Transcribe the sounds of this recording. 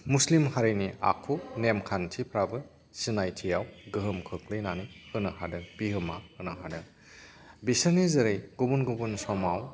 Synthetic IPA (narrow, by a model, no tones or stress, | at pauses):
muslimhaɾɯnia̰kʰunemkʰantʰipʰɾabɯ | sinajtʰijawɡɯɦɯmkʰɯk̚lɯjnanihɯnahadɯb̥iɦɯmahɯnaɦadɯ | bisɯnezɯɾɯjɡ̥ubunɡubunsɔmaw